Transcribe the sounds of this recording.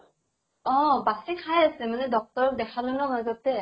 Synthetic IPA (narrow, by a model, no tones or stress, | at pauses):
ɔ̃basikʰajasɛmanɛdɔk̚tɔɹɔk̚dɛkʰalonɔmazɔtɛ